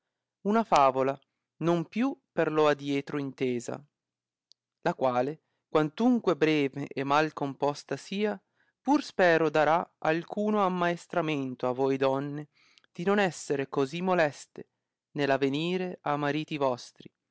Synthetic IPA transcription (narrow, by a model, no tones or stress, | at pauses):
unafaːvola | nompjuperload̪ːjɛːt̪ɾoint̪eːza̰ | lakwaːle | kwant̪uŋkwebɾɛːveʔɛmːalkompɔst̪asiːa | purspɛːɾod̪aɾaalkʰuːnoamːaest̪ɾament̪oavojd̪ɔnːe | d̪̥inonɛsːeɾekozimːolɛst̪e | nelaveniːɾeamaɾiːt̪ivɔst̪ɾi